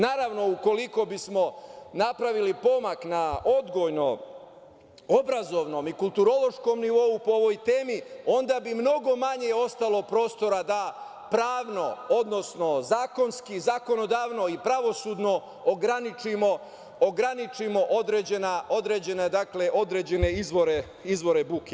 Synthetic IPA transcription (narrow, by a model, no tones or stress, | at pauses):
naːɾaʋno̞uko̞liko̞bismo̞napɾaʋilipo̞maknaʔo̞d̪ɡo̞jno̞ | obɾazo̞ʋno̞ːmikulˠt̪uɾo̞lˠo̞ʃko̞mniʋo̞upooʋo̞jt̪e̞ːmiond̪abimno̞ɡo̞maɲe̞o̞st̪alo̞pɾo̞ːst̪o̞ɾad̪a | pɾaːʋno̞od̪no̞sno̞zaːko̞nskizako̞no̞d̪aːʋno̞ipɾaʋo̞suːd̪no̞ | oɡɾanit͡ʃimo | oɡɾanit͡ʃimo̞ʔod̪ɾeːd͡ʑenao̞d̪ɾed͡ʑe̞ned̪akle̞ʔo̞d̪ɾe̞ːd͡ʑe̞ne̞izʋoɾe | izʋo̞ɾe̞buke